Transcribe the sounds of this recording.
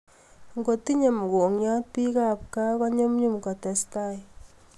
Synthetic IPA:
ŋɡo˨ti˦ɲe˨mu˨ko˨ŋɲɔ˦t̚pi˦ka˦˨p̚ka˦kɔ˦ɲo˦mɲu˦mkɔ˨tɛ˨sta˦˨j

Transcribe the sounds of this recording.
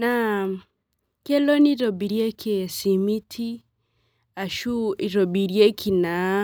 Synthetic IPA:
na˦˨ | ke˦lo˦ni˦ɾo˨bi˨ɾje˦kʰe˨si˨mi˦tʰi˦ | a˨ʃu˦i˨ɾo˨bi˨ɾje˦kʰi˨na˨˦

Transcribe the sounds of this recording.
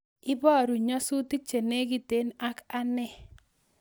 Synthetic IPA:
ɪ˦bɔ˦˨ɾu˨ɲɔ˦su˦ti˦t͡ʃe˨ne˦ɡi˦te˦na˦ka˦nɛ˦˨

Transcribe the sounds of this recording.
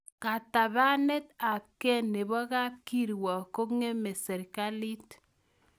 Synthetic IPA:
ka˨ta˨ba˦ne˦t̚a˨kːɛ˦nːe˨bɔ˦ka˦p̚ki˦ɾwɔ˨ko˦kŋe˦me˨se˨ɾka˦li˦t

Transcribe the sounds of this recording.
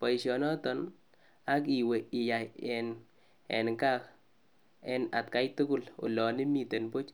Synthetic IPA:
pɔ˨i˨ʃɔ˨nɔ˦tɔ˨n | a˦k̬i˨we˨ɪ˨ja˨ɛ˨n | ɛ̰˨nka˦k | ɛ˦na˨tka˦jtʊ˦kʊ˦lo̰˨lɔ˨nɪ˦mi˨te˨npo˦t͡ʃ

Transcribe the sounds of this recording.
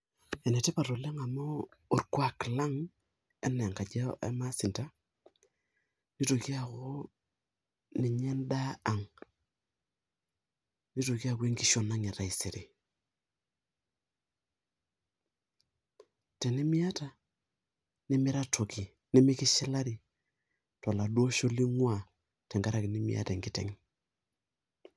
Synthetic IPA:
ɛ˨nɛ˨tɛ˦pa˨ɾo˨lɛ˦ŋa˨mɔː˦˨ɾkwa˨kla˦ŋ | ɛ˦n˨ŋka˨d͡ʒa˦ʔɛ̰˦ma˦sɪ˨nta˦ | ni˦to˨ki˦a˨ko˦ | ni˨ɲɛ˦nda˦a˨ŋ | ni˦to˨ki˦a˦˨kwe˦ŋki˦ʃo˨na˦ŋɛ˨ɾa˨i˨se˨ɾi˨ | tɛ˨ni˦mi˦a˦ta˨ | nɪ˦mɪ˦ɾa˦tʰo˨ki˨ | nɪ˦mi˦kɪ˦ʃɛ˦la˦ɾi˨ | tɔ˨la˨du˦o˦ʃo˦li˦ŋwa˨ | tɛ˨ŋɡa˦ɾa˦˨ki˨ni˦mḭ˦a̰˦tɛ˨ŋɡi˦tɛ̰˨ŋ

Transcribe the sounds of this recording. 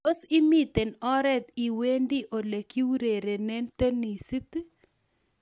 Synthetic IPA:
o˦si˦mi˦t̪e˨nɔ˦ɾɛ˦d̪i˨we˦ndi˦ʔo˨le˨ki˦wɾe˨ɾe˨nɛ˦nt̪e˦ni˨si˦t̪

